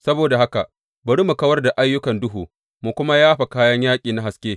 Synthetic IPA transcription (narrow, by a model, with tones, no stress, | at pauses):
sɐ˦boː˨da˨ɦa˦ka˨ʔ | bɐ˨ɽi˦mu˨kɐ˦wɐ˦rda˨ʔa˦jːʊ˦kɐ˨ndʊ˦ɦuː˨ | mu˨kʷʊ˦ma˦jaː˦ɸa˨kaː˦jɐ˦ɲjaː˦kʲʼiː˨na˦ɦa˨skʲeː˦